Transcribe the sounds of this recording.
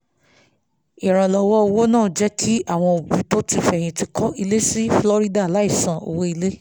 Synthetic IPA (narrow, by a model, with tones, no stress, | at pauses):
i˨ɾ̃ã˨lɔ˨wɔ˦˧wo˦nãː˦˨d͡ʒɛ˦kʰi˦a˦˨w̃ɔ̃˧o˨bĩ˨˦to˦ti˧fɛ˨j̃ĩ˧ti˧kʰɔ˦ʔi˧le˦si˦flɔ˧ɾi˦da˦˨la˨˦i˦˨sã˨o̰˨wo˦i˧le˦